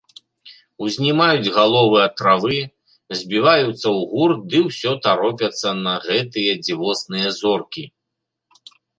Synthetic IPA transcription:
wzʲnʲimajud͡zʲɣalˠɔvɨɐt̪ɾavɨ | zʲbʲivajut̪sːɐwɣurd̪ɨwsʲɔt̪aɾɔp̬ʲɐt̪sːɐnɐɣɛt̪ɨjɐd͡zʲivɔsnɨjɐzɔrkʲi

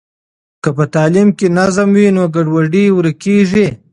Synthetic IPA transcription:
kəpət̪ɑːlimkenazamwinoɡaɖwaɖiwɾəkeʐi

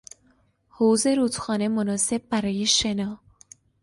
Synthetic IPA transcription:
howze̞ɾuːt̪xɒːne̞monɒːse̞b̚ːæɾɒːje̞ʃe̞nɒː

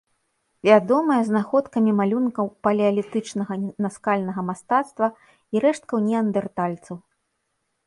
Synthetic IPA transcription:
vʲad̪ɔmɐjɐznaxɔt̪kɐmʲimalʲunkɐwpɐlʲɛɐlʲit̪ɨt͡ʂnɐɣɐnaskalʲnɐɣɐmast̪at̪st̪vɐ | iɾɛʂt̪̚kɐwnʲɛɐnd̪ɛrt̪alʲt̪sɐw

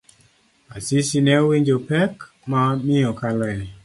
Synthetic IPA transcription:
asisinɛowiɲd͡ʒopɛk | mamɪɔkalɛɪ

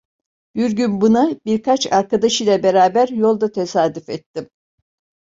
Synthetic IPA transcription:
byɾɟynbunabiɾkʰat͡ʃaɾkad̪aʃɯjlʲˠabe̞ɾaːbæɾjo̞lˠd̪at̪ʰe̞saːd̪yfɛt̪ːim

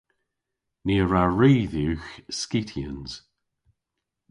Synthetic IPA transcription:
niːəɹaɹiːðuːxskitʰiə̰nz̥

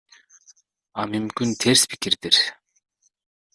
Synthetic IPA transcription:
amymkynt̪ʰeɾspʰi̥kiɾd̪iɾ

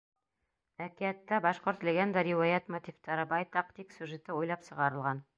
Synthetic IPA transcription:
ækiæt̪ːæbɑʃqoɾt̪lʲeɡʲend̪ɑɾʲiwajat̪mot̪ʲift̪ɑɾɤbɑjt̪ɑq̚t̪iksʲjʉʒet̪ɘujlˠɑpsɤ̆ʁɑɾɤ̆lˠʁɑn

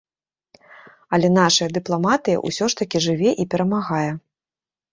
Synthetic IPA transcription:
ɐlʲɛn̪aʂɐjɐd̪ɨplˠamat̪ɨjɐ̰ʔṵsʲɔʂt̪ɐkʲiʐɨvʲɛʔipʲɛɾɐmaɣajɛ

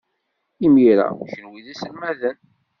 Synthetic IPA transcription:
imiɾa̰ʃənwiðæsəlmæðən

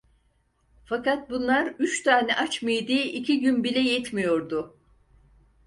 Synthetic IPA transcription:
fakat̪̚bunlˠaɾyt͡ʃt̪ʰaːnɛʔat͡ʃmɯjd̪iʔicʰiɟynbilʲɛjɛt̪mijo̞ɾd̪ʊ

